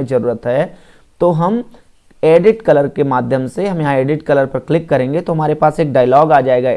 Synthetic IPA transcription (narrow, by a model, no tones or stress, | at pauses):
zɐɾuːɾət̪ɦɛː | t̪oːɦɐm | eːɖɪʈkɐləɾkemaːd̪ʱjəmseɦɐmjɐɦãeːɖɪʈkɐləɾpɐɾklɪkːɐɾẽːŋɡet̪oɦɐmaːɾepaːseːk̚ɖaːɪlɔːɡaːd͡ʒaːeːɡa